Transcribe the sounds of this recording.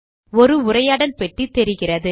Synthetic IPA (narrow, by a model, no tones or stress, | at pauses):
ɔɾɯʊrɐjaːɽɐnpɛʈrit̪ːɛɾɪɣɪrɐðɯ